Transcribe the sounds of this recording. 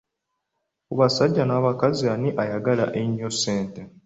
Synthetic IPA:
kuβasaɟːanaːβakazianiʔajaɡala̰ʔeɲːosːeːnte

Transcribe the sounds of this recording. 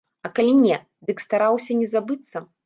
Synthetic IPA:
ɐkalʲinʲɛ | d̪ɨkst̪aɾawsʲɐnʲɛzabɨt̪sːɐ

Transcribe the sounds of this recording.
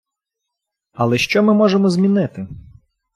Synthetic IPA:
ɐlˠɛʃt͡ʃɔmɪmɔʒemɔzʲmʲinɪt̪ɪ

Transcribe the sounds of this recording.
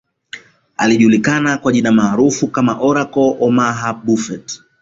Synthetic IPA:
a̰liʄulikanakwaʄinamaːɾufukamaʔɔɾakɔʔɔmaɦaɓufɛt

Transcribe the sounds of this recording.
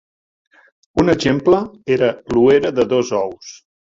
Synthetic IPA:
unəʒempləeɾəlueɾəðəðozɔws

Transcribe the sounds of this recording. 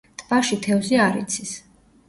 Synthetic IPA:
t̪ʼbaʃit̪ʰɛvziaɾḭt̪sʰis

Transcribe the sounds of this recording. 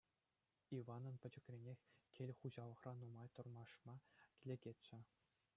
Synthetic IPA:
iʋɑnɤ̆npʲɘ̆d͡ʑɘ̆kʲrʲenʲexʲkʲelʲχuʑɑlˠɤ̆χrɑnumɑjt̪ŏrmɑʂmɑkʲilʲeɡʲetʲt͡ɕɘ̆

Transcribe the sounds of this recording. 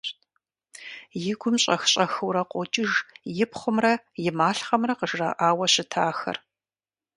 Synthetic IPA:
jɪɡʷʊmɕʼɐxɕʼɐxɨwɾɐqʷʼɔt͡ʃʼɪʒjɪpχʷʊmrɐ | jɪmaːɬχɐmrɐqəʒrɐ̰ʔaːwɐɕɪtʰaːxɐ̰r

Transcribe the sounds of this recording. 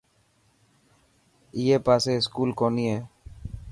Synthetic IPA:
ɪjeːpaːseːɪskuːlkoːniːɦeː

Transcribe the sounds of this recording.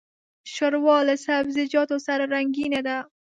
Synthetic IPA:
ʃoɾwɔlɪsabzɪd͡ʒɔt̪osaɾɾaŋɡined̪a

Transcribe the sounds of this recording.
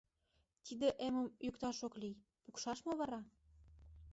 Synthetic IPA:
t̪id̪eʔeməmjykt̪ɑʃoklij | pukʃɑʃmoβɑɾɑ

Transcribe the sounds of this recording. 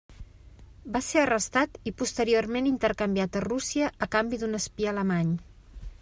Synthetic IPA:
baseərəst̪at̪ipust̪əɾiormenint̪əɾkəmbiat̪ərusiəʔəkambid̪unəspiələmaɲ

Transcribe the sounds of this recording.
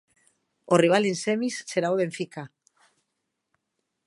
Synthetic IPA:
oriβ̞alensemisseɾaoβeɱfika

